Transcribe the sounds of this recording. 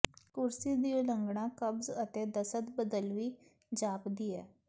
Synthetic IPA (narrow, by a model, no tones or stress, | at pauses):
kuɾsid̪iləŋɡɳakəbzət̪ed̪əsət̪bəd̪əlʋiː | d͡ʑapd̪ijɛ